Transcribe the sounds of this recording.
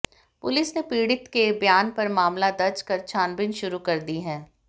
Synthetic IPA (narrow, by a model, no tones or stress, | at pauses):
pʊlɪsnepiːɽɪt̪kebjaːnpɐɾmaːmlad̪ɐɾt͡ʃkɐɾt͡ʃʰaːnbɪnʃʊɾukɐɾd̪iɦɛ̃ː